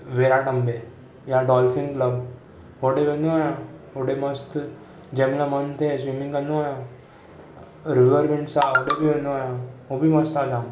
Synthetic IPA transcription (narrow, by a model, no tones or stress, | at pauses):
ʋeɾaʈɐmbe | jaɖɔːlfiŋklɐb | ɦoɖeʋenuajãoɽemɐst̪ | d͡ʒemlamɐnt̪ʰesʋimiŋkɐnuaja | ɾuʋəɾʋeɳʈsaoɽebiʋenuajaobimɐst̪aːd͡ʒaːm